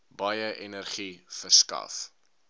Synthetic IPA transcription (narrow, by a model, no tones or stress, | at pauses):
bɐjəʔɛnərχifərskɐ̰f